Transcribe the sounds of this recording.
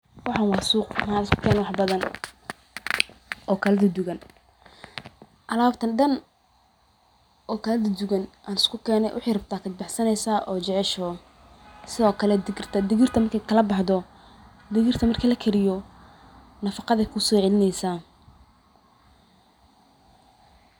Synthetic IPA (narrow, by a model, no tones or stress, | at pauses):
wɑħɑnwɑːsuːqmaːkʰanwɑħbɐðɐn | ɔːkʰɐlɐðɐd̪ʊɣɐn | ʔɐlaːbt̪ʰɐnɖɐn | ʔɔːkʰɐlɐd̪ɐd̪ʊɣɐnʔaːnɪ̥skʰʊkʰɛːnɛ̰jwʔɑ̰ħɪjrɐb̚t̪ʰaːkʰɐd̪̚bɑħsɐnɛjsaːʔɔːd͡ʒɛʕɛʃɔː | sɪðɔːkʰɐlɛd̪ɪɡɪrt̪ʰɐd̪ɪɣɪrt̪ʰɐmɐrkʰɛkʰɐlɐbɑħd̪ɔ | d̪ɪɣɪrt̪ʰɐmɐrkʰɐlɐkʰɛɾɪjɔ | nɐfɑqɑðɐkʰʊsɔːʕɛlɪnɛjsaː